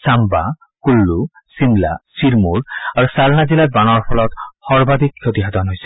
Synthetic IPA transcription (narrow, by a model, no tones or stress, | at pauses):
samba | kulːu | simla̰siɹmuɹaɹusalnazilat̪̚banɔɹpʰɔlɔt̪hɔɹbad̪ʱikʰːot̪iɦat̪ɔnɦojsɛ̥